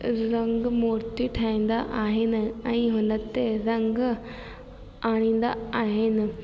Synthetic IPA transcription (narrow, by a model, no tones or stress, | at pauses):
ɾɐŋɡmoːɾt̪iʈʰaːĩːnd̪aʔaːɦɪnɪɛ̃ĩɦʊnɐt̪ːeɾɐŋɡ | aːɽ̃ĩn̆d̪a̰aːɦɪnɪ̆